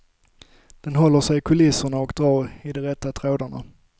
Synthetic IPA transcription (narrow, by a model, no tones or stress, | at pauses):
d̪̥ɛnɦɔlːəʂɛjkʰʊlɪsʊɳaɔkd̪ɾɑːɾɪd̪ɔɾɛt̪ːat̪ʰɾoːd̪əɳa̰